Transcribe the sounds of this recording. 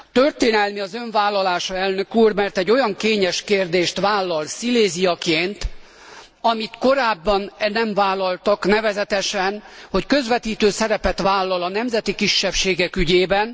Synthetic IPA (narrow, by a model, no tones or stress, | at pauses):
t̪ørt̪eːnɛlmiɒzø̞ɱvaːlːɒlaːʃɒɛlnø̞kuːrmɛrt̪ɛɟːo̞jɒŋkeːɲɛʃkeːrd̪eːʃt̪ʋaːlːɒlsileːzijɒkeːnt̪ | ɒmit̪ko̞ɾaːbːɒnnɛɱmvaːlːɒlt̪ɒknɛvɛzɛt̪ɛʃɛnho̞ckø̞zʋɛt̪iːt̪øːsɛɾɛpɛt̪vaːlːɒlɒnɛmzɛt̪ikiʃːɛpʃeːɡɛkyɟeːbɛn